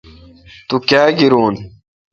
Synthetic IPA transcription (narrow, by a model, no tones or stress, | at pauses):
t̪ukaːɡiɾuːn